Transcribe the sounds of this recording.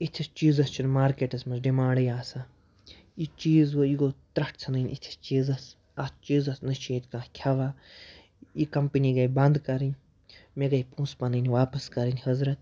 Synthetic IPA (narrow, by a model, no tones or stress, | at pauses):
it̪ʲʰist͡ʃiːzɐst͡ʃʰinmaːɾkeːʈɐsmɐzɖimaːɽɐjaːsa | it͡ʃiːzʋoiɡoːt̪ɾɐʈʰt͡sʰɐnɐnʲit̪ʰi̥st͡ʃiːzɐs | ɐst͡ʃiːzɐsnɐʃeːt̪kãːkʲʰɐʋaː | ikɐmpiniɡɐjbɐ̃nd̪kɐɾin | meɡɐjpũːspɐnɐnʲʋaːpɐskɐɾinʲhɐzɾɐt̪̚